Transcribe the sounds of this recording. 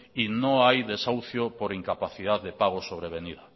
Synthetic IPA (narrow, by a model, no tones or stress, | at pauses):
inõŋajðesawθjopoɾiŋkapaθiðaððepaɣ̞osoβ̞ɾeβ̞eniða